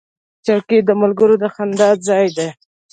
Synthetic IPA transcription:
t͡ʃawked̪əmalɡəɾod̪əxand̪ɑd̪̚zɑjd̪e

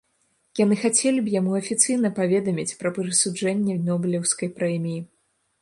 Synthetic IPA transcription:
jan̪ɨxat͡sʲelʲibjamuɐfʲit̪sɨjn̪ɐpavʲɛd̪ɐmʲit͡sʲpɾɐpɨɾɨsud͡ʐɛnʲːɛd̪nɔbʲɨlʲɛwskɐjpɾɛmʲiji

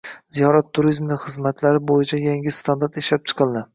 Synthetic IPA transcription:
z̥ijɒɾat̪ʰːuɾizmnɪχɨzmat̪ʰlaɾɪbojɪt͡ʃʰajaŋʲɪst̪ʰand̪aɾt̪eʃlap̚t͡ʃʰɨ̥qʰɨlˠd̪ɪ

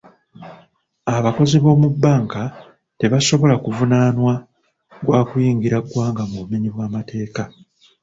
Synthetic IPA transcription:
aβako̞ziβo̞ːmubːaːŋka | te̞βaso̞βo̞lakuvunaːnwa | ɡwaːkujiːŋɡiɾaɡwaːŋɡamuβumiɲiβwaːmate̞ːka

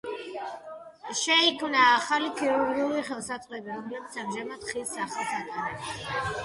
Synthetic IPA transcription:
ʃɛikʰmnaːχalikʰiɾuɾɡd̪iuliχɛlˠsat̪sʼχʼwɛbiɾɔmlɛbit̪samʒamad̪̥χisaχalˠt̪ʰatʼaɾɛba

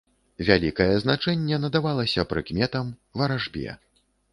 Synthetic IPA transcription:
vʲalʲikɐjɛznat͡ʂɛnʲːɛnɐd̪avalˠɐsʲɐpɾɨkmʲɛt̪ɐmvɐɾaʐbʲɛ̰

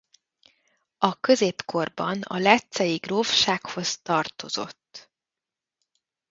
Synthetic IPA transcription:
ɒkø̞zeːpko̞rbɒ̰nɒ̰lɛt̪sɛjiɡroːfʃaːkho̞st̪ɒrt̪o̞zo̞̰t̪ː

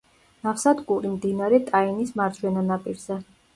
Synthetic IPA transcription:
nafsad̪ɡʼuɾimd̪inaɾɛt̪ʼainismaɾd͡ʒwɛnanapʼiɾz̥ɛ

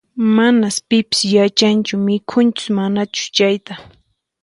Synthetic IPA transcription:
manaspɪpɪ̥sjat͡ʃant͡ʃʊmɪkʰʊnt͡ʃɪ̥smanat͡ʃʊ̥t͡ʃajt̪a

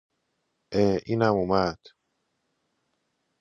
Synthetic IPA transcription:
ʔeʔiːnæmumæd̪̥

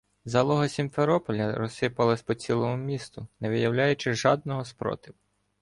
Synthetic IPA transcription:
zɐlˠɔɦɔsʲimfeɾɔpɔlʲɐɾɔsːɪpɐlˠɪsʲpɔt͡sʲilˠɔmʊmʲist̪ʊnɛʋɪjɐwlʲajʊt͡ʃɪʒɑd̪̚nɔɦɔspɾɔ̰t̪ɪw

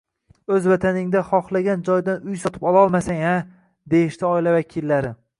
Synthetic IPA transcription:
ɵzvat̪ʰanɪŋd̪aχɒχlˠaɡʲand͡ʒɒjd̪anʊjsɒt̪ʰɪ̥pɒlɒlˠmasaŋa | d̪e̞jɪʃt̪ɪɒɪlavakʲʰɪlːaɾɪ

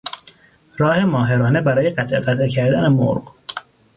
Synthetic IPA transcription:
ɾɒːhe̞mɒːɦe̞ɾɒːne̞bæɾɒːjeɢæt̪ʰʔeɢæt̪ecʰæɾd̪æne̞mo̰ɾɢ

